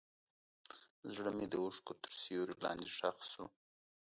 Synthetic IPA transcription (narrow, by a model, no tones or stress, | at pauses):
zɽəmed̪əwʊʂkot̪ə̥ɾsijoɾilɑ̰nd̪eʂaxsu